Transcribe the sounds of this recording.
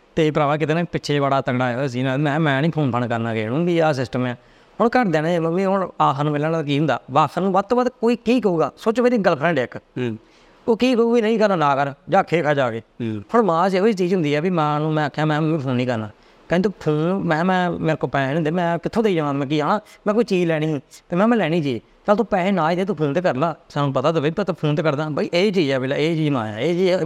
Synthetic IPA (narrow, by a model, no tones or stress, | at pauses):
t̪eːpəɾaːʋaːk̬ɪt̪eːnãːipɪtːʃʰeːbaːɽaːt̪əɡɽaːɛs̬iːnãmɛ̃ːmɛ̃ːnĩːpʰoːnpʰəɳkəɾnaːkḛːɽũːbiːaːs̬ɪsʈəmɛː | ɦʊɳkəɾd̪ɛːnːemãʋiːɦʊnaːkʰːnũːmelaːnaak̬iːɦʊ̃nd̪a̰ːʋaːsənũːbət̪ːoːət̪koːiːkiːk̬əuːɡaːsoːt͡ʃmeːɾiːɡəlpʰɾɛ̃ːɖeːk | oːkiːkəuːiːnəĩːkəɾnaːnaːkəɾd͡ʒaːkʰeːkʰaːd͡ʒaːkeːpʰʊɾmãːd͡ʒeot͡ʃiːd͡ʒɦʊ̃nd̪iːɛːbiːmɛ̃ːnũːmɛ̃ːəkʰːãːmɛ̃ːpʰəlnĩːkəɾna̰ː | kə̃ːt̪opʰɪlmɛ̃ːmɛ̃ːmeɾkoːpɛ̃ːnẽːd̪eːmɛ̃ːkɪt̪ʰːõːt̪eiːd͡ʒːãːd̪mɛ̃ːkiːaːnãːmɛ̃ːkoːiːt͡ʃiːd͡ʒlɛːɽ̃iːɦːt̪eːmɛ̃ːmɛ̃ːlɛːɽ̃iːd͡ʒiː | kəlt̪õːpɛ̃ːnaːid̪eːt̪õːpʰɪlmt̪eːkəɾlaːsaːnũːpət̪aːt̪abet̪ːt̪oːpʰəlmt̪eːkəɾd̪ãːbaiʔeːt͡ʃiːd͡ʒɛːbelaeːt͡ʃiːd͡ʒma̰ːjã̰ːeːd͡ʒi